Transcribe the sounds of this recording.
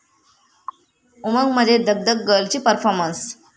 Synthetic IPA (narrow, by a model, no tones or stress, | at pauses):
uməŋɡm̤ədʱed̪əɡ̚d̪ək̚ɡəlt͡ɕiːpəɾfɔɾməns